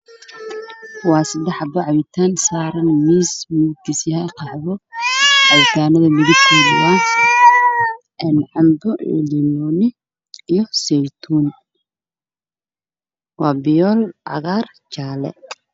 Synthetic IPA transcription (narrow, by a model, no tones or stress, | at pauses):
wɑːsɐd̪ɛħɑbɔʕɑβɪt̪ʰaːnsaːɾɐnmiːsmuɡɪsjɐhɛqʰɑħbɔʕɑwɪt̪ʰaːnɐðɐmɪɣɪt̪ʰiːnɪ̰wa | ʔɛnʕɑmbɔɛ̰limɔːnɪ | ijɔsɛjt̪ʰuːn | wɑːbɪjɔːlʕɑ̰ɣaːr | t͡ʃaːlɛ̰